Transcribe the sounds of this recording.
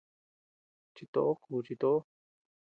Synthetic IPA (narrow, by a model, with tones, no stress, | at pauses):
t͡ʃi˧t̪o̰˧ʔo˦kʰuː˨t͡ʃi˧t̪o˦ʔo˦